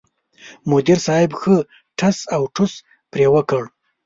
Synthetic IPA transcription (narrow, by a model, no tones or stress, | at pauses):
mʊd̪iɾsɑhɪbxə | ʈʰasawʈʰus | pɾewəkəɽ